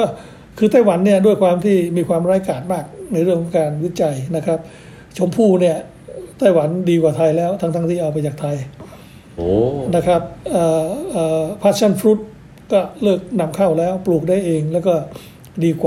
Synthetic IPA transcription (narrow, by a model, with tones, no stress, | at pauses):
kɔː˥˩ | kʰɯː˧t̪̬a˥˩jwa˩˦nːi˥˩ədu˥˩əjkʰwaː˧mt̪ʰiː˥˩miː˧kʰwaː˧mɾaː˦˥jkaː˨˩t̪̚maː˥˩k̚na˧jɾɯ˥˩əŋkʰːɔ˨˦ŋkaː˧nwi˦˥t͡ɕa˧jna˦˥kʰɾa˦˥p̚ | t͡ɕʰo˩˦mpʰuː˥˩ni˥˩ɐ | t̪aː˥˩jwa˩˦ndiː˧kwaː˨˩t̪ʰa˧jlɛː˦˥wt̪ʰa˥ŋt̪ʰa˥˩t̪ʰiː˥˩ʔa˧wp̬a˧jt͡ɕaː˨˩k̚t̪ʰa˧j | na˦˥kʰɾa˦˥p̚ʔaː˨˩ʔaː˨˩pʰa˦˥t̪̚t͡ɕʰa˥˩nfʰɾu˦˥t̪̚ | kɔː˥˩lɤː˥˩k̚na˧mkʰa˥˩wlɛː˦˥wpluː˨˩k̚daː˥˩jʔeː˧ŋlɛː˦˥wkɔː˥˩ | diː˧kwaː˩